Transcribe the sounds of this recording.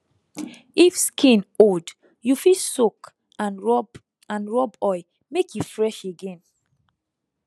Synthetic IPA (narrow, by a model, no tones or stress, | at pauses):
ifskʰĩnod | jufisok | ãnɹɔb | ãnɹɔbɔɪ | mekjufɹɛʃeɡẽn